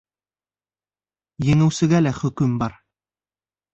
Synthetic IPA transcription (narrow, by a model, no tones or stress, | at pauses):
jɘ̆ŋɘ̆wsɘ̆ɡælæχɵ̆kɵmbɑɾ